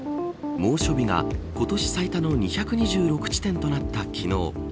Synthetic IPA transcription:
mo̞ːɕo̞bʲiɡa̰ko̞t̪o̞ɕi̥sait̪ano̞ɲ̟içakɯ̟ɲ̟iʑɨːɾo̞kɯ̟̥t͡ɕi̥t̪ẽ̞nt̪o̞nat̪ːakʲino̞̰ː

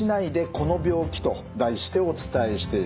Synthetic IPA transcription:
inaid̪e̞ko̞no̞bʲo̞ːkʲi̥t̪o̞ | d̪aiɕi̥t̪e̞o̞t͡sɨ̥t̪aeɕi̥t̪e̞i

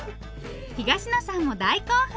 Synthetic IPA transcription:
çiɡaɕino̞sãɰ̃od̪aikoːha

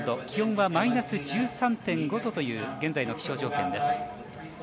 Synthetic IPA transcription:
d̪o̞kʲihõɰ̃βamainasɨd͡ʑɨːsãnt̪ẽ̞ŋɡo̞t̪o̞t̪o̞jɯ̟ːɡẽ̞nd͡zaino̞kʲi̥ɕo̞ːʑo̞ːkẽ̞nd̪e̞sɨ̥

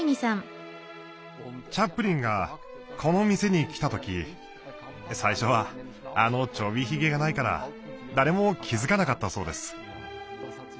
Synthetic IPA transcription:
ɲʲisãŋ | t͡ɕapːɯ̟ɾʲĩŋɡa | kʰo̞no̞mʲise̞ɲ̟ikʲi̥t̪at̪o̞kʲi | saiɕo̞βa | ano̞t͡ɕo̞bʲiçiɡe̞ɡanaikaɾa̰d̪aɾe̞mo̞kʲʰizɨkanakat̪ːaso̞ːd̪e̞sɨ̥

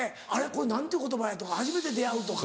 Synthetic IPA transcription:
e | aɾe̞ko̞ɾenãnt̪eiɯ̟kot̪o̞bajat̪o̞kahaʑime̞t̪e̞d̪e̞aɯ̟t̪o̞k

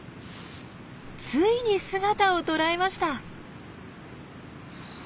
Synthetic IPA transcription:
t͡sɨiɲ̟isɨɡat̪ao̞t̪o̞ɾaemaɕi̥t̪a

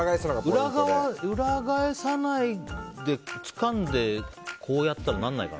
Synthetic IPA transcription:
ɡaesnaɡaɯɾaɡaaɯɾaɡaesanaid̪e̞t͡sɨ̥kãnd̪e̞kʰo̞ːjat̪ːaɾanãnːaika̰n

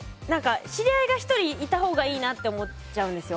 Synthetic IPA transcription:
nãŋkaɕiɾʲiaiɡaçi̥t̪o̞ɾʲiːt̪aɦo̞ːɡaiːnat̪ːe̞omo̞ | t͡ɕaɯ̟̃nd̪e̞sɨjo̞

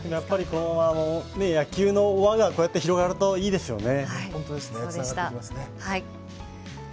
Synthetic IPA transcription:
d̪̥e̞mo̞japːaɾʲikonoano̞ne̞jakʲɨːno̞ːβaɡakoːjat̪ːe̞çiɾo̞ɡaɾɯ̟t̪o̞iːd̪e̞sɨjo̞̰ne̞hõnt̪od̪e̞sɨneaaɡatt̪ekʲimasɨne̞hai

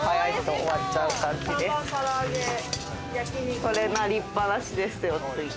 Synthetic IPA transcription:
hajait̪o̞ːβat͡ɕaɯ̟kãɲ̟d͡ʑid̪esaɾoɡe | jakko̞ɾe̞naɾʲipːanaɕid̪e̞sɨjot̪ːɯi

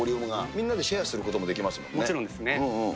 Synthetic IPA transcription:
oɾʲiomɯɡamʲĩnːad̪e̞ɕiasɨɾɯ̟ko̞t̪omo̞d̪e̞kʲimasɨmõ̞nmoːt͡ɕiɾõnd̪esɨneɯ̃

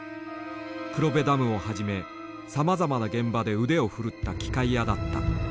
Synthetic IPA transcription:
kɯ̟ɾo̞be̞d̪amɯ̟o̞haʑime̞ | samazamanaɡẽ̞mbad̪e̞ɯ̟d̪e̞o̞ɸɯ̟ɾɯ̟t̪ːakʲi̥kaijad̪at̪ːa̰

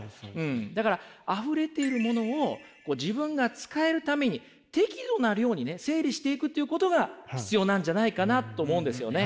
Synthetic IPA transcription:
ɯ̟̃ɴd̪akaɾaaɸɯ̟ɾe̞t̪e̞iɾɯ̟mo̞no̞ːko̞ːd͡ʑibɯ̟̃ŋɡat͡sɨ̥kae̞ɾɯ̟t̪ame̞ɲ̟i | t̪e̞kʲid̪o̞naɾɯ̟jo̞ːɲ̟ine̞se̞ːɾʲiɕi̥t̪e̞ikɯ̟t̪ːeiɯ̟ko̞t̪o̞ɡaçi̥t͡sɨjo̞ːnãɲ̟d͡ʑanaikanat̪ːo̞ːmo̞ɯ̟nd̪e̞sɨjo̞̰ne̞

